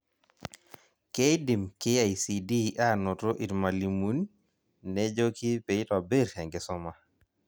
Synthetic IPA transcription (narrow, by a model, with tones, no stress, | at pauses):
kejdi˨mke˦ajsidi˦ʔa˦no˨to˦ʔi˨ɾma˨li˨mu˦n | nɛd͡ʒo˦ki˦pe˨˦tɔ˨be˦ɾhɛ˨ŋɡɛsɔma˨